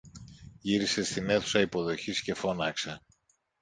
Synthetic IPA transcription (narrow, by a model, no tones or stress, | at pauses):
ʝiɾise̞st̪ine̞θu̥sɐipo̞ðo̞çisce̞fo̞nɐkse